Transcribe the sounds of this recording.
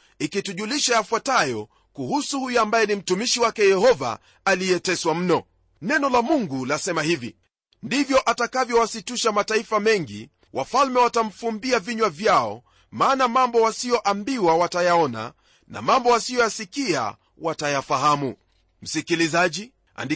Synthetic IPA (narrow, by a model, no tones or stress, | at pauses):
ikituʄuliʃajafwatajɔ | kuhusuhujambajɛnim̩tumiʃiwakɛjɛhɔva̰ː | lijɛtɛswam̩nɔ | nɛnɔlamuŋɡulasɛmahivḭ | ndivjɔʔatakavjɔwasituʃamataifamɛŋɡḭ | wʔafalmɛwatam̩fumbiaviɲwavjaɔ | maːnamambɔwasijɔʔambiwawatajaɔna̰ | na̰mambɔwasijɔjasikia̰ | watajafaɦamu | m̩sikilizaʄi | a̰ndi